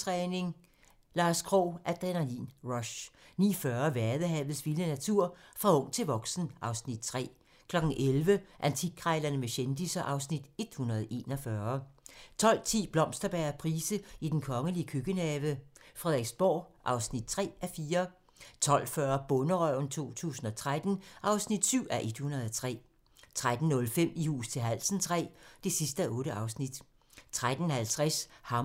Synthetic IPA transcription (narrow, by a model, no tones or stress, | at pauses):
t͡sʰʁɛːne̝ŋ | lɑ̈ːskʰʁɔ̰ːʔæd̥ʁenɐlḭnʁɒɕnḭːfɶɐʋæɐðˠəɦɛʊð̩ˠsʋilənæt͡sʰuɐ̰fʁɑ̈ɔ̽ŋ̰t͡sʰe̝lʋɒ̽ɡ̥sn̩ʔɑ̈ʊsnid̥̚t͡sʰʁɛ̰ː | kʰlɒ̽ɡ̥n̩ʔelʋəʔænt͡sʰiɡ̥̚ʰʁɑ̈ɪlɐnəmeɕend̥isɐʔɑ̈ʊsnid̥e̝d̥hunɐð̩ˠʔe̝̰ːnɒfɶːɐt͡sʰɒ̽l̰t͡sʰḭːb̥lɒ̽msd̥ɐb̥æːɐpʰʁiːsəid̥enkʰɒ̽ŋəliəkʰøɡ̥ənɛːʋəfʁɛðˠeɡ̥sb̥ɒ̰ːʔɑ̈ʊsnid̥̚t͡sʰʁɛ̰ːæfiːɐ | t͡sʰɒ̽l̰fɶɐb̥ɔ̽nəʁœʊn̩t͡sʰo̝̰ːt͡sʰṵːsn̩ɒ̽t͡sʰʁad̥n̩ʔɑ̈ʊsnid̥syʊ̰ʔæʔe̝d̥hunɐðˠɒt͡sʰʁɛ̰ː | t͡sʰʁad̥n̩ːɔ̽lfem̰ihṵːst͡sʰe̝lɦæl̰sən̩t͡sʰʁɛ̰ːd̥e̝sisd̥əæʔɔ̽ːɾəʔɑ̈ʊsnid̥ | t͡sʰʁad̥n̩hælt͡sʰʁashɑ̈